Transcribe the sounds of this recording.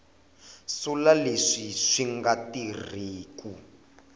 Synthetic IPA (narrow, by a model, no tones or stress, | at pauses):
sulaleʂiʂiŋɡatiriːku